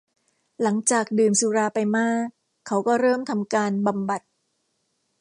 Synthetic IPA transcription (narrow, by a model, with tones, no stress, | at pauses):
la˩˦ŋt͡ɕaː˨˩k̚dɯː˨˩msuː˨˦ɾaː˧pa˧jmaː˥˩kʰː | a˦˥wkɔː˥˩ɾɤː˥˩mt̪ʰa˧mkaː˧nba˨mba˨˩t̪̚